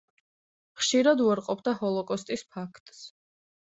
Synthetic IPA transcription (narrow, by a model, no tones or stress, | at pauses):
χʃiɾad̪uaɾqʼɔpʰd̪ahɔlˠɔkʼɔst̪ʼispʰakʰt̪ʼs